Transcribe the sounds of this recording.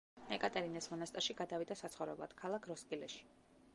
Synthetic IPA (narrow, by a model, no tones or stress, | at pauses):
ɛkʼat̪ʼɛɾinɛsmɔnast̪ʼaɾʃiɡad̪avid̪asat̪sʰχɔvɾɛ̰blˠa̰d̪̥kʰalˠakʰɾɔskʼilɛʃi̥